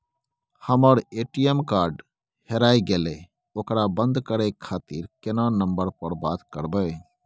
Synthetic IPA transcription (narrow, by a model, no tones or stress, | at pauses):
həməɾeːʈijemkaːɾɖ | heɾaːiɡeːle | oːkɾabənd̪kəɾekʰːaːt̪iɾkɪnanəmbəɾpəɾbaːt̪kəɾbəe